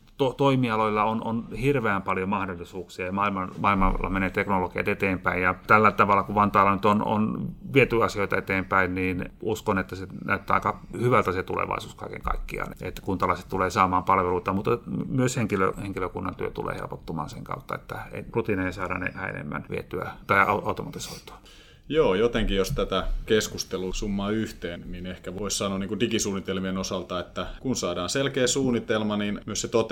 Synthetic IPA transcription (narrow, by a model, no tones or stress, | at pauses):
t̪ot̪oimiɑloilːɑono̰nhirʋeæmpɑljomɑhdolːˑisuːksiɑmɑilmɑmɑːilmɑlːɑ̰meneːt̪eknolokiɑ̰t̪et̪eːmpæijjɑt̪ælːæt̪ɑʋɑlːˑɑkuʋɑnt̪ɑːlːɑnyt̪ono̰nʋiet̪yɑsioit̪ɑet̪eːmpæinniːnuskonet̪ːæsenæyt̪ːæːɑ̰ˑikɑhyʋælt̪æset̪ulḛʋɑ̰ˑisuːskɑikḛŋkɑ̰ikːiɑ̰ːnet̪ːkunt̪ɑlɑse̥t̪t̪uleːsɑːmɑːmpɑlʋeluit̪ɑmut̪ːɑmyøsheŋkilø̰heŋkiløkunːɑnt̪yøt̪ṵlḛːhḛlpot̪ːumɑ̰ːnseŋkɑ̰ut̪ːɑet̪ːæḛrut̪ineesɑːdɑ̰nḛhæḛnḛmːæ̰nʋḭet̪yæt̪ɑiɑuɑut̪omɑt̪isoit̪u̥ɑ̥ | joːjot̪eŋkijost̪æt̪ækeskust̪elusumːɑːyht̪eːnninehkæʋoissɑnoɑniːkundikisuːnit̪elmienosɑlt̪ɑet̪ːækunsɑːdɑːnselkeːsuːnːit̪elmɑninmyøset̪ot̪